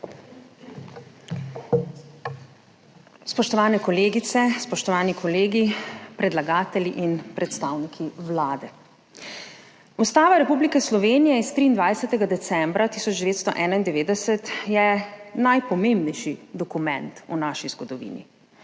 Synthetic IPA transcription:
spɔʃt̪ɔʋaːnɛkɔleːɡit̪sɛspɔʃt̪ɔʋaːnikʰɔleːɡipɾɛd̪laɡaːt̪ɛliʔinpɾɛt̪st̪aːwnikʰiwlaːd̪ɛ | ust̪aːʋaɾɛpublikɛslɔʋeːnijɛist̪ɾiːnd̪ʋajsɛt̪ɛɡad̪ɛt̪sɛmbɾat̪isɔd͡ʒd̪ɛʋeːt̪st̪ɔ̰ʔɛːnaind̪ɛʋeːd̪ɛsɛt̪jɛnajpɔmembnɛjʃid̪ɔkumɛ̃nt̪ṵnaːʃizɡɔd̪ɔʋḭːnḭ

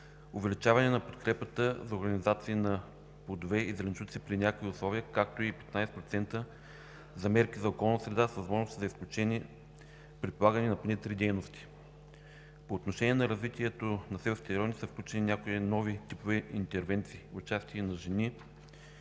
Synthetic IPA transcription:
ʊvɛlit͡ʃavɐnɛnɐpot̪kɾɛpət̪əzɐoɾɡɐnʲizat̪siːnɐ | pod̪ovɛizɾɛnʃut̪sipɾinʲakoiʊslˠɔviəkak̚t̪oipɛ̥t̪najsɛ̥pɾot̪sɛnt̪ə | zɐmɛɾkʲizɐokɔlˠnt̪əsɾɛd̪asvəzmɔʒnost̪izɐisklʲut͡ʃɛn | pɾit̪polˠaɡənɛnɐponɛt̪ɾid̪ɛjnost̪ʲi̥ | poːt̪noʃɛnʲiɛnɐɾɐzvit̪ʲiɛt̪onɐsɛvəft̪ʲɛɾɔnisəfklʲut͡ʃɛninʲakojinɔvit̪ipovɛint̪ɛɾvɛnt̪siːʊt͡ʃast̪iənɐʒɛni

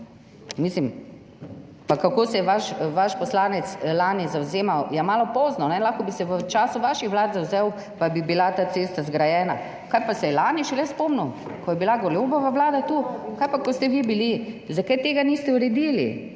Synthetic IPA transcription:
mislim | pakːakoːsɛjɛʋaʃʋaʃpɔslaːnɛt̪slaːnizawzeːmawjɛmaːlɔpɔːznɔnɛlaːxkɔbisɛʋət͡ʃaːsuʋaːʃixʋlaːd̪zawzɛw | pajbibilat̪aːseːst̪azɡɾajɛːna̰ | kajpasɛjɛlaːniʃɛlɛspomnuw | kɔjɛbilaɡɔlobɔʋaʋlaːd̪at̪ukajpakɔst̪ɛʋibilizakajt̪eːɡaniːst̪ɛuɾɛd̪iːlḭ

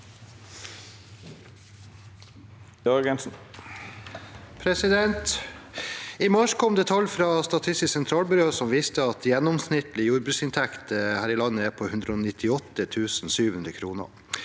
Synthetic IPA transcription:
dɑɾɡɛnsn̩ | pʰɾɛsɪd̪ɛnt̪ | imɑʂkʰɔmd̪ɛt̪ʰɑlfɾɑːst̪ɑt̪ʰɪst̪ɪssɛnt̪ʰɾɑːlbʏɾoːsɔmʋiːst̪əɑt̪jɛnːɔmsnɪt̪lɪjuːɾbɾʉːsɪnt̪ʰækt̪hæːɾɪlɑnːəæːpʰoːhʉnd̪ɾəoːnɪt̪ʰɪɔt̪ːət̪ʰʉːsn̩syːʋʉnd̪əkʰɾuːnə̰

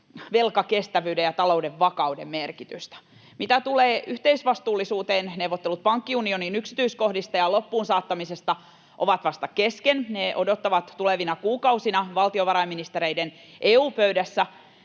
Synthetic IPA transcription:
ʋe̞lkɑke̞st̪æʋyːdejjɑt̪ɑlo̞udeʋːɑkɑwdemmerkit̪yst̪æ̥ | mit̪æt̪uleːyht̪eisʋɑst̪uːlːisuːt̪eːnneuʋot̪ːelut̪̚pɑŋkːiunio̞niːnyksi̥t̪yisko̞hdist̪ɑjɑlo̞pːuːnsɑːt̪ːɑmisest̪ɑ | ʔoʋɑt̪ʋɑst̪ɑke̞skenneʔo̞do̞t̪ːɑʋɑt̪tuleʋinɑkuːkɑusinɑʋɑlt̪io̞ʋɑɾɑiminist̪eɾeiden | ʔeːuːpøydæsːæ

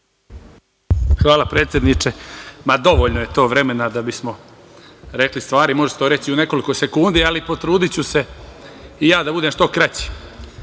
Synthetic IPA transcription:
xʋaːlapɾe̞ːt̪sʲje̞d̪nit͡ʃemad̪o̞ʋoːʎnoje̞t̪o̞ːʋɾe̞me̞nad̪abismo̞ | ɾe̞klist̪ʋaːɾimo̞ʒest̪oɾe̞t͡ɕiune̞ko̞liko̞se̞kund̪ialipo̞t̪ɾuːd̪it͡ɕuse̞ | ijaːd̪abud̪eːmʃt̪o̞kɾat͡ɕi̥

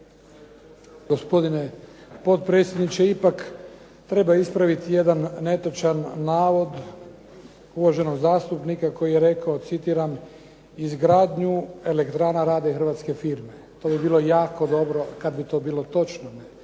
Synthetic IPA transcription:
ɡospo̞d̪ine̞po̞t̪̚pɾe̞t̪sʲjed̪nit͡ʃeipak | t̪ɾe̞baispɾaʋit̪ije̞d̪anːe̞t̪ot͡ʃanːaːʋo̞d̪ | uʋoaʒe̞no̞ɡzaːst̪upnikako̞jijeɾe̞kao̞t̪sit̪iːɾam | izɡɾaːd̪ɲue̞le̞kt̪ɾaːnaɾaːd̪exɾr̩ʋaːt̪ske̞fiɾme̞t̪o̞ːbibiːlo̞jaːko̞d̪o̞bɾo̞kad̪bit̪o̞ːbiːlˠo̞t̪o̞t͡ʃnone

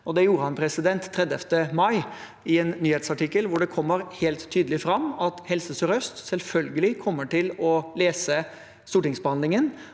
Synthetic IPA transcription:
ɔd̪ɛjuːɾəhɑnpʰɾɛsɪd̪ɛnt̪ʰːɾɛd̪əft̪əmɑɪ | ɪɛnːyːheːt̪sɑʈɪkːəlʋʊɖɛkʰɔmːəɾhɛlt̪ʰːyːd̪əlɪfɾɑmːɑt̪hɛlsəsœɾœst̪sɛlfœlɡəlɪkʰɔmːəʈɪlɔleːsə | st̪uːʈɪŋsbəhɑnd̪ɪŋən

